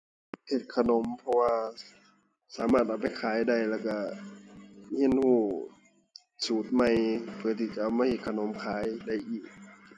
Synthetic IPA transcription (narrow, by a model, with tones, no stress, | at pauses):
he˧˩t̪̚kʰa˧no˨˦mpʰɔ˧waː˧ | saː˨˦maː˧˩t̪̚ʔa˨˩wpa˧˨jkʰaː˨˦jda˧˩jlɛː˧˩wka˧˩ | hi˧˥˨nhuː˧˩ | suː˨˩t̪̚ma˧˩˨jpʰɯ˧˩ɐt̪ʰiː˧˩t͡ɕa˧ʔa˧˩wmaː˧˥˨he˧˩t̪̚kʰa˧no˨˦mkʰaː˨˦jda˧˩jʔiː˨˩k̚